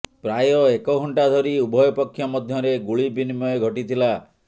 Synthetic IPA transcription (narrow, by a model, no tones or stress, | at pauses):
pɾajɔekɔɡʱɔɳʈad̪ʱɔɾiubʱɔjɔpɔkʰːjɔmɔd̪ʱjɔɾeɡuɭibinimɔeɡʱɔʈit̪ʰila